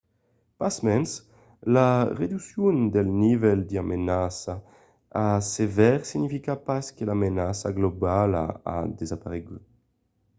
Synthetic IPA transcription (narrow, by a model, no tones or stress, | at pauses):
pasmɛns | laʁed̪ysjund̪elnivɛld̪iamʔenasa | asevɛʁsiɲifikapaskelamenasaɡlobala̰a̰d̪ezapaʁeɡy